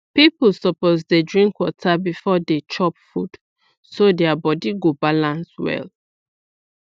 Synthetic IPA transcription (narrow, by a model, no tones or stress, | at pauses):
pipul̩sɔpozdedɹĩŋkwɔtʰabifɔdet͡ʃɔpfud̥ | sodɛabɔdiɡobalãnswɛ̰l